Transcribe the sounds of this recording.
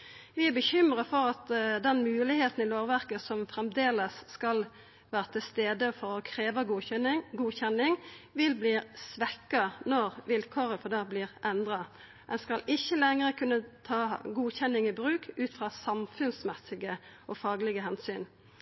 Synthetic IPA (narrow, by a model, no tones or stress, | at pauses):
ʋɪæbəçʏmʁɑfɔʁɑt̪d̪ɛnmʉːlɪheːt̪n̩ɪloːʁʋæʁkəsɔmfɾɛmd̪eːləsːkɑl | ʋæːʁət̪ʰɪlst̪eːd̪əfɔʁɔkʰɾeːʋɑ | ɡuːçɛnːɪŋʋɪlbliːsʋɛkːɑnɔʁʋɪlkʰɔʁəfɔd̪ɑbliːʁʔɛnd̪ʁɑ | ɛnskɑlɪçːəlɛŋʁəkʰʉnːət̪ʰɑːɡuːçɛnːɪŋɪbʁʉːkʰʉːt̪fʁɑːsɑmfʉnsmɛsɪɡəʔɔfɑːɡlɪɡəɦɛnsyːn